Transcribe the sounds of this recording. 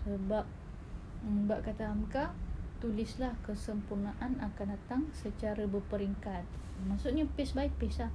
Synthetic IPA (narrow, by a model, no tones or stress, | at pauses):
səbap̚ | baʔkat̪aːmkaht̪ulɪslahkəsəmpurnaʔanakandat̪aŋsət͡ʃaɾabəpəɾiŋkat̪̚ | maʔsuʔ̪ɲapɪsbaɪʔ̚pislah